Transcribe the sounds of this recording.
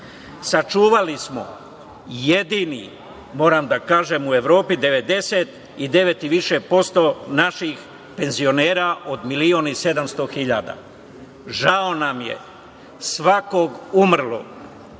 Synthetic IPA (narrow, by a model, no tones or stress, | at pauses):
sat͡ʃuːʋalismo̞̰ | jed̪inḭ | mo̞ːɾamd̪akaːʒemue̞ʋɾo̞ːpid̪e̞ʋe̞d̪e̞set̪ | id̪e̞ʋet̪iʋiʃepo̞st̪o̞naʃix | pe̞nzio̞neːɾaʔo̞d̪milionise̞d̪amst̪oxiʎa̰ːd̪a̰ | ʒao̞namjḛ | sʋako̞ɡumr̩lo̰ɡ